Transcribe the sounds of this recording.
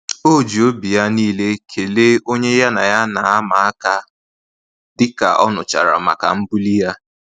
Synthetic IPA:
o˦˨d͡ʒi˨o˦bi˨ja˦niː˦le˦kʰe˨le˦o˦ɲe˦ja˦na˨ja˦na˨a˦ma˨a˦ka˦ | dɪ˦ka̰˨ʔɔ̰˦nʊ˨t͡ʃa̰˨ɾa̰˨ma̰˨ka̰˨m̩˦bu˦li˦ja˦

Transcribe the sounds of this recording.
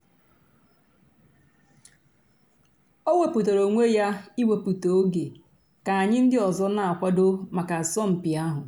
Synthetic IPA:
o˦wʷe˨pu˨to˨ɾo˨ŋʷe˦ja˦i˦we˨pu˨to˨o˦ɡe˨ | ka˨a˨ɲɪ˦n̩˦dɪ˦ɔ˨zɔ˦na˨a˨kʷa˦do˦ma˨ka˨sɔ˦m̩˨pɪ˨a˦ɦʊ˨

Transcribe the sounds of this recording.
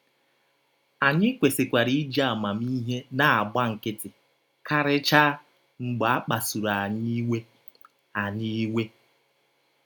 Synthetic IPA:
a˨ɲɪ˦kʷe˨sɪ˨kʷa˨ɾi˦i˦d͡ʒa˦˨ma˨mi˦ɦe˦na˨a˨ɡ͡ba˦ŋ̩˨kɪ˦tɪ˨ | ka˦ɾɪ˦t͡ʃa˦ | ŋ͡m̩˨ɡ͡ba˨a˦k͡pa˨su˨ɾa˨ɲi˦we˦ | a˨ɲi˦we˦

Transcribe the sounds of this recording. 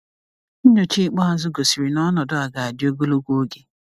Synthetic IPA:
n̩˦ɲo˨t͡ʃi˦k͡pɔ˦a˨zʊ˦ɡo˨si˨ɾi˨nɔ˦nɔ˨dʊ˦a˨ɡa˨a˨dɪ˦o˦ɡo˦lo˦ɡʷo˦ɡe˨

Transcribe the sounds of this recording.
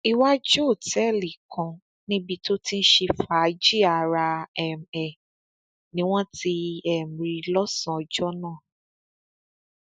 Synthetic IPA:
i˧wa˦d͡ʒu˦o˦˨tɛ˦˨li˨kʰɔ̃˧ | nĩ˦bi˧to˦ti˦n̩˦ʃe˧fa˨˦d͡ʒi˦a˧˨ɾa˧ɛ˨m̩˨ɛ˨ | nĩ˨˦w̃ɔ̃˦ti˧ɛ˨m̩˨ɾi˨lɔ˦sã˦˨ɔ˧d͡ʒɔ˦nãː˦˨

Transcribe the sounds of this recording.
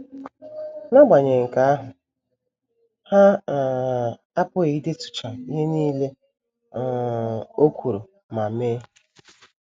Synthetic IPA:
na˦ɡ͡ba˨ɲe˨ŋ̩˨ka˨a˦ɦʊ˨ | ha˦ | a˦pʊ˦e˨i˦de˦tʊ̥˨t͡ʃa˨i˦ɦe˦niː˦le˦˨ | o˦kʷʰu˨ɾo˨ | ma˨meː˦

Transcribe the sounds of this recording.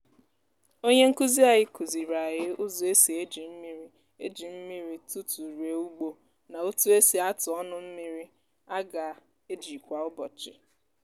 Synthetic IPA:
o˦ɲe˦ŋ̩˦ku˦zi˦a˨ɣɪ˦ku˨zi˨ɾa˨ɣɪ˦ʊ˦zʊ˨e˦si˨e˦d͡ʒi˨m̩˦mi˦ɾi˦ | e˦d͡ʒi˨m̩˦mi˦ɾi˦tu˦tu˨ɾe˨u˦ɡ͡bo˦ | na˨o˦tu˦e˦si˨a˦tʊ˨ɔ˦nʊ˦m̩˦mi˦ɾi˦ | a˦ɡa˨ | e˦d͡ʒi˨kʷa˨ʊ˦bɔ˨t͡ʃɪ˨

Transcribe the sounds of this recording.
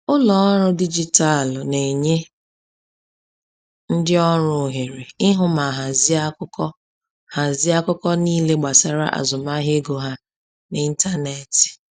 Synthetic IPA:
ʊ˦lɔ˨ɔ˦ɾʊ˦di˦d͡ʒi˦ta˦˨lne˨ɲe˦ | n̩˦dɪ˦ɔ˦ɾʊ˨ɦe˨ɾe˨ɪ˦ɦʊ˦ma˨ɦa˨zɪ˦a˦kʊ˦kɔ˦ | ha˨zɪ˦a˦kʊ˦kɔ˦niː˦le˦ɡ͡ba˨sa˨ɾa̰˦ʔa̰˨zʊ˨ma˦ɦe˦ɡo˨ɦa˦ | ni˦n̩˦ta˦ne˨tɪ̥˨

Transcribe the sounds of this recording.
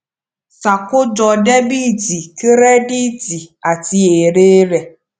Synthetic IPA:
sa˨kʊ˦d͡ʒɔ˧ɖɛ˦bi˦˨d͡ʒi˨ke˦ɾɛ˦ɖi˦d͡zi˨a˨ti˧e˨ɾeː˦ɾɛ˨

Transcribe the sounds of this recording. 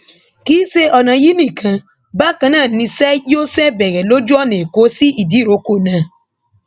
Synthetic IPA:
kiː˨˦se˦ʔɔ˧nã˧ji˦nĩ˦˨kʰã˧ | ba˦kã˧nãː˦˨nĩ˧sɛ˦jo˦sɛ˦bɛ˨ɾɛ˨lo˦d͡ʒu˦ɔ˦˨nẽ˨ko˨˦si˦ʔi˦˨di˨˦˨ɾo˨˦ko˦˨nã˧

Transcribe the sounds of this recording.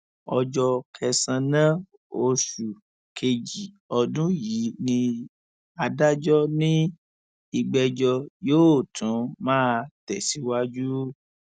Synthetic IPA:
ɔ˧d͡ʒɔ˧kʰɛ˧sã˧nã˦ | o˧ʃu˨ | kʰe˨d͡ʒi˨ | ɔ˧dũ˦ji˨˦nĩ˧ | a˧da˦d͡ʒɔ˦nĩ˦ | i˧ɡ͡bɛ˧d͡ʒɔ˧joː˦˨tʰũ˨˦mãː˦˧tɛ˨si˨˦wa˦d͡ʒu˦

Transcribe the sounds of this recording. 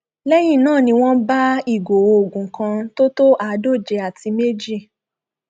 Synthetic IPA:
lɛ˦jĩ˦˨nãː˦˨nĩ˧w̃ɔ̃˦ba˦i˦˨ɡo˨˧o˨ɡũ˨˦kã˧to˦to˦ʔa˨˧do˦˨d͡ʒe˧a˨ti˧˦me˦d͡ʒi˦˨

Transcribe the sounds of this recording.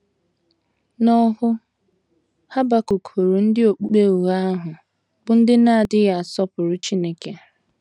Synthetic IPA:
nɔ˦ɦʊ˦ | ha˦ba˦ko˨ko˨ɾu˨n̩˦dɪ˦o˨k͡pu˦k͡pe˦u˨ɣa˦a˦ɦʊ˨ | bʊ˨n̩˦dɪ˦na˦a˨dɪ˦ɣa˨sɔ˦pʊ˨ɾʊ˦t͡ʃi˦ne˦ke˨a˨

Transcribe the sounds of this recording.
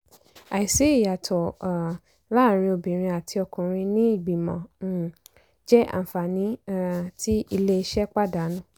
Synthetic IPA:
a˨i˨se˨˦i˦˨ja˨tʰɔ˨ | la˦˨ɾ̃ĩ˧o˧bĩ˨ɾ̃ĩ˧a˨tʰi˧ɔ˧kũ˨ɾ̃ĩ˧nĩ˦i˦˨ɡ͡bi˨mɔ̰̃˨ | d͡ʒɛ˦ʔa̰˦˨fa˨nĩ˨˦ti˦i˧le˦i˧ʃɛ˦k͡pa˦da˨˦nũ˦

